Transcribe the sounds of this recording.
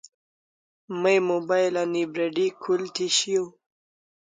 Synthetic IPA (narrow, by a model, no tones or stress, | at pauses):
məjmobajlanibɾeɖikʰult̪ʰiɕijo